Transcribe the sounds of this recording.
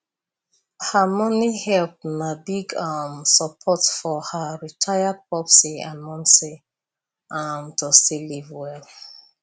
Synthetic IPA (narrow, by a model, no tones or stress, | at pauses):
hamɔnihɛlp̚mabiɡamsəpʰɔtfɔhaɹitʰajapɔpsiamɔ̃nse | ʔamtosilivwɛl